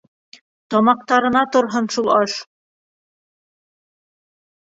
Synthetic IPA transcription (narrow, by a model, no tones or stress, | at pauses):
t̪ɒmɑq̚t̪ɑɾɤ̆nɑt̪ŏɾɦɤnʃulˠɑʃ